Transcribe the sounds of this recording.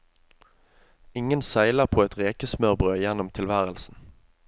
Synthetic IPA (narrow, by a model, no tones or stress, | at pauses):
ɪŋənsæɪləʁpʰoːɛt̪ʁeːkəsmœʁbʁøːjɛnʊmt̪ʰɪlʋæːʁəlsn̩